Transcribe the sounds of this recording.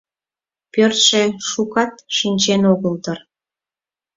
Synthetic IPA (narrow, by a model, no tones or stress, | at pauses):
pørt̪ʃeʃukɑt̪̚ʃinʲt͡ɕenoɣəlt̪ər